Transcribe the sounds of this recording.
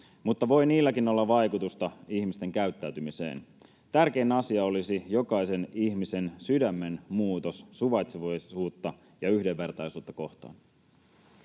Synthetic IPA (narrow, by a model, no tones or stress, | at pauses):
mut̪ːɑʋo̞jniːlːækino̞lːɑʋɑjkut̪ust̪ɑiçmist̪e̞ŋkæyt̪ːæyt̪ymisḛːn | t̪ærk̟e̞neɑsiɑo̞lisijo̞kɑise̞niçmise̞nsydæmːenmuːt̪ossuʋɑjt̪siʋɑjuːt̪ːɑ | jɑyhde̞ʋːe̞rt̪ɑjsuːt̪ːɑko̞ht̪ɑ̰ːn